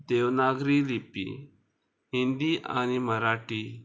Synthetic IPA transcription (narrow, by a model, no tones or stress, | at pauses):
d̪eʋnaɡɾiːlipḭ | ɦind̪iʔa̰niməɾaʈi